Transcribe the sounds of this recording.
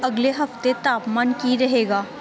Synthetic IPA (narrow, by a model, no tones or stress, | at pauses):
ɐɡleɦɐft̪et̪aːpmaːnkiɾɐɦeːɡaː